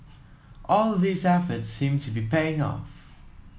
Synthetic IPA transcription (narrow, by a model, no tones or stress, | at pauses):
ʔɔlˠðisɛfətsːĩmtʰubipʰeɪ̃ŋɔ̰f